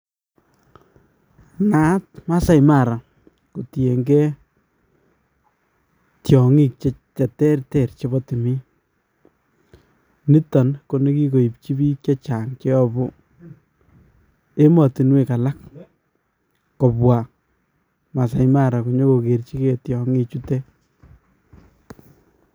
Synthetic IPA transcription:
ŋa˦t̚ma˦sa˨jma˦˨ɾa˨ | ko˨ti˨e˨ŋɡɛ˦ | tjɔ˨ŋi˦k̚t͡ʃet͡ʃa˨tɛ˦rtɛ˨ɾt͡ʃe˦bɔ˦ti˨mi˦ | ni˦tɔ˨nko˦ne˦ki˦ko˨i˨p̚t͡ʃi˦bi˦kt͡ʃa˦t͡ʃa˨ŋt͡ʃe˦ɔ˦bo˦ | e˦mɔ˨ti˨nwe˨ka˨la˦k | kɔ˨pwa˨ | ma˨sa˨jma˦˨ɾa˨ku˨ɲo˦ko˨ke˨ɾt͡ʃi˦ke˨tjɔ˨ŋi˦t͡ʃu˦tɛ˦

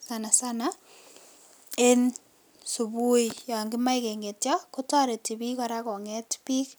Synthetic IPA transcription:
sana˨sana | e˦n | su˨bu˦ija˨ŋɡɪ˦ma˦ike˨ŋɡe˨tja˦kʊ˦ta˦ɾe˨ti˨bi˦kɔ˦ɾakɔ˨ŋɛtpi˦k

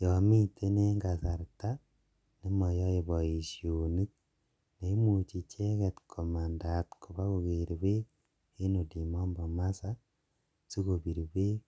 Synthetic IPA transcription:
jɔ˨mi˦tʰe˦ne˦ŋɡa˨sa˨ɾta˦ | ne˦mɔ˨jɔ˦e˨βɔ˨i˨sjoni˦k̚ | ne˦mu˨t͡ʃi˨t͡ʃe˦ɣe˦tkʰo˨ma˨nda˨tkʰo˨βa˦ɣo˨ɣeɾiβe˦ | e˦no˨di˨mɔ˦mbɔ˨masa | si˦ɣo˨βi˨ɾi˨βe˦

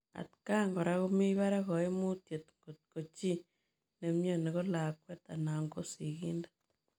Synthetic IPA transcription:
a̰˨ti̥ka˦ŋɡo˨ɾaɣo˦mi˦βa˦ɾa˦ɣo˨e˦mu˦tje˨tŋɡotko˨t͡ʃi˦ | ne˨mjo˦ne˨ɣo˦la˨kwe˦ta˨na˨ŋɡo˦si˨ɣiː˦ndḁ

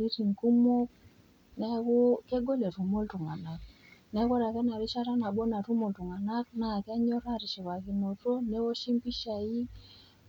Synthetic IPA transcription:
ɾi˦ɾi˨ŋku˦mɔ˦k | nɛ˦kɔ˦ke˦ɡɔ˦lɛ˨tu˨mo˦ltu˨ŋa˨na˨k̚ | nɛ˨˦kɔ˦ɾa˨kɛ˦na˨ɾi˦ʃa˦ɾa˦na˨ɓɔ˦na˨ɾu˦mɔ˨ltu˨ŋa˨na˦k̚na˨kɛ˦ɲɔ˦ɾa˦ɾi˨ʃi˨βa˨ki˨nɔ˨tɔ˦nɛ˦wɔ˦ʃi˦mpi˦ʃa˨i˦

